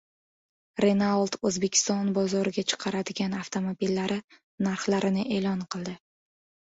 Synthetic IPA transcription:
ɾe̞nalˠt̪ʰɵzbe̞kʲʰɪ̥st̪ɒnbɒzɒɾɪɡʲat͡ʃʰɨ̥qʰɑɾad̪ɪɡʲanaft̪ʰo̞mobilːaɾɪ | naɾχlaɾɪnɪʔe̞ːlɒnqɨlˠd̪ɪ

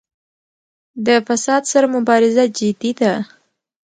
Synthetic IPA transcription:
d̪əfasɑd̪saɾamʊbɑɾɪzad͡ʒɪd̪id̪a

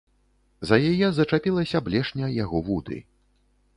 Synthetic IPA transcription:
zɐjajɛzɐt͡ʂapʲilˠɐsʲɐblʲɛʂnʲɐjaɣɔvud̪ɨ̰

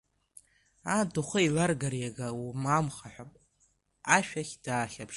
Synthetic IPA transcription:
aduχʷəilarɡarjaɡawmamχaħʷᶣapʼ | aʃᶣaχʲd̥aːχʲapʰʂ

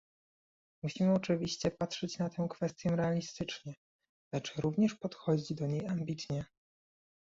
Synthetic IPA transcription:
muɕimɘɔt͡ʂɘvʲiɕt͡ɕɛpat̪ʂɛt͡ɕnat̪ɛ̃w̃kfɛst̪ʲjɛɾɛalʲist̪ɘt͡ʂɲɛ | lɛt͡ʂɾuvɲɛʂpɔt̪xɔd͡ʑid͡ʑd̪ɔɲejambʲit̪ɲɛ

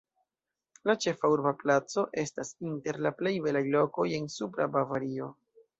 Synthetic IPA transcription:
lat͡ʃe̞fauɾbaplat͡so̞ʔe̞stasinte̞ɾlaple̞jbe̞lajlo̞ko̞je̞nsupɾabavaɾio̞

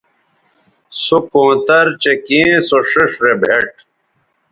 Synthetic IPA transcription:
sukõːt̪ɐɾt͡ɕekĩːsoʂuʂɾebʱeʈ̚

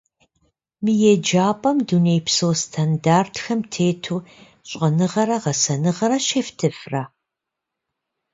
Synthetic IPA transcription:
mɨjɛd͡ʒaːpʼɐmdunejpsowstʰandaːrtʰxɐmtʰeːtʰuː | ɕʼɐnɨʁɐɾɐʁɐsɐnɨʁɐɾɐɕeftʰɨfra

